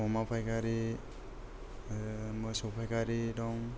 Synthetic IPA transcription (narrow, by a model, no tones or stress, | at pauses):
ɔmapʰajkaɾi | mɔsɔwpʰajkaɾidɔŋ